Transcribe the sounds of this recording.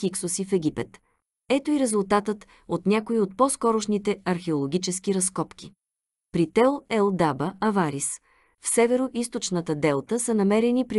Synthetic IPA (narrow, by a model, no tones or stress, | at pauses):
kiksʊsifɛɡʲipɛt̪ | ɛt̪oiɾɛzʊlˠt̪at̪ət̪ | ot̪nʲakoiot̪̚pɔskɔɾʊʃnit̪ɛɐɾxɛolˠoɡʲit͡ʃɛskiɾɐskɔpk̟ʲi | pɾit̪ɛlˠɛlˠd̪abəɐvaɾis | fsɛvɛɾoʔis̬t̪ot͡ʃnət̪əd̪ɛlˠt̪əsənɐmɛɾɛnipɾi